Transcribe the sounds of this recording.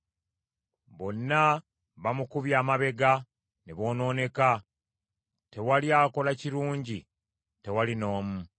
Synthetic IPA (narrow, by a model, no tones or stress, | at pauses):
βo̞nːa | βamukuβjaːmaβe̞ɡa | neβo̞ːno̞ːne̞ka | te̞waljaːko̞laciɾuːɲɟi | te̞walino̞ːmu